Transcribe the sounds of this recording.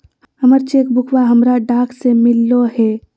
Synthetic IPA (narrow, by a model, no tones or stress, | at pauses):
həməɾt͡ʃeːkbʊkʰwaɦəmɾaɖaːksemɪlːoɦɛː